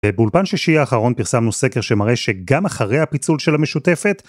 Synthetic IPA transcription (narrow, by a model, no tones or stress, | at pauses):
bebulpanʃiʃiaːχaʁo̞npiʁsamnuse̞ke̞ʁʃemaʁe̞ʃe̞ɡamaχaʁe̞jhapit͡sulʃelhame̞ʃute̞fe̞t